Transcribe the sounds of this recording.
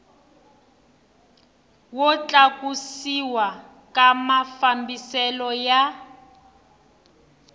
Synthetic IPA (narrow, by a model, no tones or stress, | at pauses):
wɔt͡ɬakusiwa | kamafambisɛlɔja